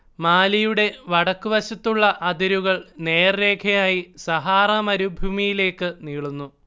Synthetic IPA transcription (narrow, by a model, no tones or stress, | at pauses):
maːlijuɽe̞ʋɐɽɐkːuʋɐɕɐt̪ːuɭːɐʔɐd̪ɐɾuɣɐɭne̞ːrːe̞ːkʰɐjaːjisɐɦaːrɐmɐɾubʱuːmijile̞ːkːɨniːɭunːu